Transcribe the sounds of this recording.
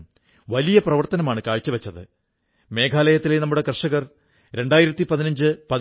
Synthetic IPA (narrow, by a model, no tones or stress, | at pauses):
ʋɐlijɐprɐʋɐrt̪ɐnɐmaːɳɨkaːɻt͡ɕːɨʋɐt͡ɕːɐðɨ̰ | me̞ːkʰaːlɐjɐt̪ːilenɐmːuɽe̞krɨʂɐɣɐr | ɾe̞ɳɖaːjiɾɐt̪ːipɐðinɐɲd͡ʑɨpɐð